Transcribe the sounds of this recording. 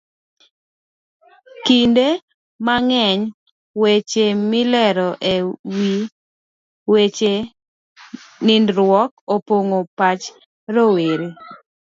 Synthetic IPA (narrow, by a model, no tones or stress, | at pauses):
kinde | maŋɛɲ | wet͡ʃemɪlɛɾɔʔewi | wet͡ʃe | ŋɪndɾwɔkopoŋopat͡ʃ | ɾoweɾe